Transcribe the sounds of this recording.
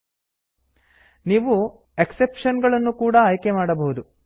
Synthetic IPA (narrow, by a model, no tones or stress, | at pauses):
niːʋu | eksepʂɐnɡɐɭɐnːukuːɽɐːjkemaːɽɐbɐɦud̪u